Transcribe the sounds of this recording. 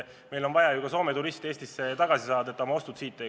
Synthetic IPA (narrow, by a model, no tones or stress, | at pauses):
me̞jlo̞nvɑjɑjuɡɑso̞ːmet̪uɾist̪e̞ːsʲt̪isːet̪ɑɡ̥ɑsisɑːd̪ɑet̪ːˑo̞mɑo̞st̪ud̪̥siːt̪ːe